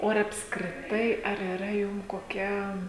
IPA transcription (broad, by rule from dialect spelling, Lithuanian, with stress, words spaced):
oː ɐr ɐpskrʲɪˈtɐɪ ɐr iːˈrɐ ˈjʊm koːˈkʲɛ